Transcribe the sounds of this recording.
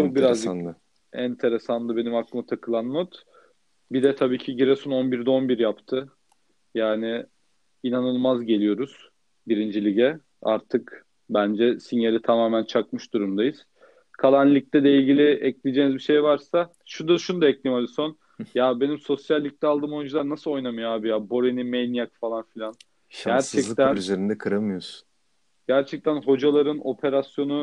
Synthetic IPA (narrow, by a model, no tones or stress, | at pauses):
ubiɾaz | ænt̪ʰe̞ɾesanlˠɯbe̞nimaklˠɯmɯt̪ʰakʰɯlˠanmot̪ | bid̪ɛt̪ʰabiːcʰiɟiɾɛsuno̞nbiɾd̪ɛo̞nbiɾjapt̪ʰɯ | jaːnɪ | inanɯlˠmazɟe̞lʲijo̞ɾuz̥ | biɾind͡ʒilʲiɟɛ | a̰ɾt̪ʰɯk | bænd͡ʒɛsinalʲit̪ʰamaːmænt͡ʃʰakmɯʃd̪uɾumd̪ajɯz̥ | kʰalˠanlʲic̚t̪ʰɛd̪ʲɛilʲɟʲilʲiɛclʲid͡ʒeːnizbiʃe̞jvaɾsa | ʃud̪aʃunud̪aɛclʲimalʲiso̞n | jabe̞nimso̞sjalʲːic̚t̪ɛalˠd̪ɯːmojund͡ʒulˠaɾnasɯlˠo̞jnamɯjoaːbijaːbo̞ɾenimejnijakfalˠanfilʲan | ɟæɾt͡ʃʰɛklˠt̪ænzeɾind̪ɛkʰɯɾamɯjosu̥ | ɟ̥æɾt͡ʃʰɛc̚t̪ʰænɦo̞d͡ʒalˠaɾɯno̞pʰe̞ɾasjo̞nu